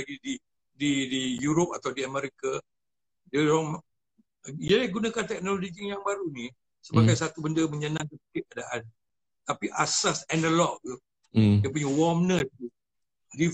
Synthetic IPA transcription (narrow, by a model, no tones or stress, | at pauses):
aɡidi | didijuɾop̚at̪awdiameɾika | dəɾɔŋ | iaɡunakant̪ɛk̚nololid͡ʒijaŋbaɾuni | səbaɡajsat̪ubəndəməɲanãŋkəsi̥kɪt̪̚kadaʔan | t̪apiʔasasɛndəlɔʔ̚t̪u | diap̬uɲawɔmnəu | ɡi